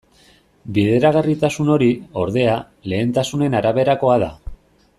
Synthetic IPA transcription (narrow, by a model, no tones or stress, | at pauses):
biðe̞ɾaɣ̞arit̪asuno̞ɾio̞ɾðe̞a | le̞ːnt̪asune̞naɾaβe̞ɾako̞aða̰